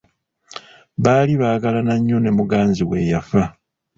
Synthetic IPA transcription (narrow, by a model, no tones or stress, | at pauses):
βaːliβaːɡalanaɲːo̞ne̞muɡaːnziɣwe̞ːjafa